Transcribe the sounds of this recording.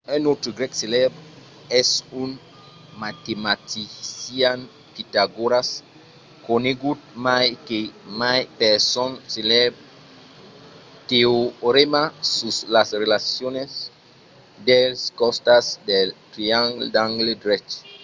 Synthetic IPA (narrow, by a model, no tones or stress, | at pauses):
enot̪ɾuɡɾɛkselebɾ | ɛsun | mat̪emat̪isian | pit̪aɡoɾas | koneɡut̪̚majkemajpeɾsɔnselebɾ | t̪eoɾemasuslasɾelasjones | d̪elskɔst̪asd̪elt̪ɾiaŋɡdaŋɡledɾɛt͡ʃ